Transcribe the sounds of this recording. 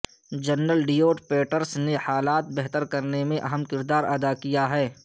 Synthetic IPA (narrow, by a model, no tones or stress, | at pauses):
d͡ʒɐnːəlɖijoːʈpeːʈəɾsnehaːlaːt̪̚bɛɦt̪əɾkɐɾnemẽʔɐɦəmkɪɾd̪aːɾɐd̪akijaɦɛː